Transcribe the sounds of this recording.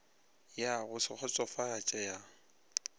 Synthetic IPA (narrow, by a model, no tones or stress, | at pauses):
jaɣʊsɪk͡xʰɔt͡sʼɔfat͡ʃʼɛja